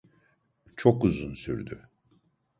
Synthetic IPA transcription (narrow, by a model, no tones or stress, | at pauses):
t͡ʃʰokuzunsyɾd̪y